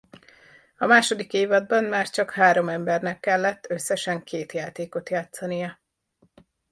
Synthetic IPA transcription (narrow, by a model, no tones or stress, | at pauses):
ɒmaːʃo̞d̪ikeːvɒd̪̚bɒnmaːrt͡ʃɒkhaːɾo̞mɛmbɛrnɛkːɛlːɛt̪ːøsːɛʃɛŋkʰeːt̪jaːt̪eːko̞t̪jaːt̪sɒnijɒ